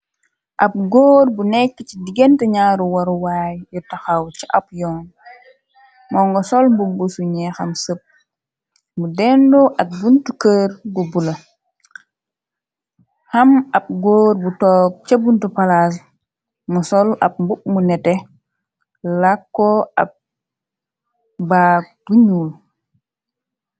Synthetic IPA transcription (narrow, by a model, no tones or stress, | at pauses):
ʔɐp̚ɡoːɾbunɛkːət͡ʃidiɡɛntɛɲaːɾuwɐɾuwaːjjutaxawt͡ʃiʔɐp̚jɔːn | mɔŋɡɔsɔlmbubusuɲɛxɐmsəp̚ | mudɛndoʔɐk̚buntukəːɾbubulɐ | hɐmɐb̚ɡoːɾbutɔːk̚t͡ʃɐbuntupalas̬ | musɔlɐ̰p̚mbup̚munɛtɛ | lakːɔɐ̰p̚ | bak̚b̥uɲuːl